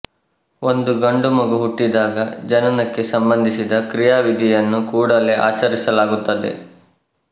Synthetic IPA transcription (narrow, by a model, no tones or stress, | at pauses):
o̞nd̪uɡɐɳɖumɐɡuɦuʈːid̪aːɡɐd͡ʒɐnɐnɐkːe̞sɐmbɐnd̪ʱisid̪ɐkɾijaːʋid̪ʱijɐnːukuːɽɐle̞a̰ːt͡ʃɐɾisɐlaːɡut̪ːɐd̪e̞̰